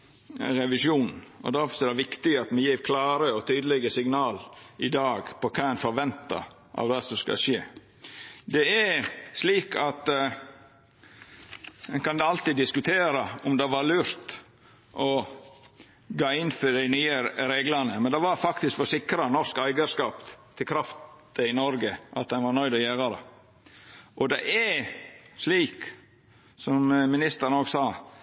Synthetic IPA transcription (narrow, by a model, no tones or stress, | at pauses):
ɾɛʋɪsjuːnn̩ɔ̰d̪æɾfɔsɔɛd̪ɛʋɪkt̪ɪəɑt̪mɛjiːɾkʰlɑːɾəɔt̪ʰyːd̪əlɛɡəsɪɡnɑːlɪd̪ɑːɡpʰɔkʰɑːɛnfɔɾʋɛnt̪ɑ̰ | ʔɑ̰ʋd̪ɛsɔskɑ̰ʂeː | d̪ɛæɾsliːkʰɑt̪ | ɛnkɑnd̪ɛɑlt̪iːd̪ɪskʉt̪ʰeːɾɑʊmd̪ɛʋɑɾlʉːɾt̪ | ʔɔ | ɡɑːɪnfɔd̪æɪnyːəɾeːɡlɑnəmɛnd̪ɛʋɑɾfɑkt̪ɪskfɔsɪkɾɑnɔskæɪɡəɾskɑːpt̪ʰɪlkʰɾɑft̪ | əɪnɔɾɡəʔɑ̰t̪d̪ɛnʋɑɾnœʏd̪ɔjeːɾɑd̪ə̰ | ʔɔd̪ɛʔæ | sliːk | sɔmmɪnɪst̪əɾnoːɡsɑː